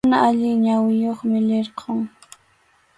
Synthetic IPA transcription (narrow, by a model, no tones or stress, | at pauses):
naʔaʎɪŋɲawɪjoχmɪlɪɾqʰoŋ